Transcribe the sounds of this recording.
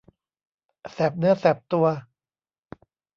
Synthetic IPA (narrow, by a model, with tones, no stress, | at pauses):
sɛ˨˩p̚nɯ˦˥ɐsɛ˨˩p̚t̪u˧ɐ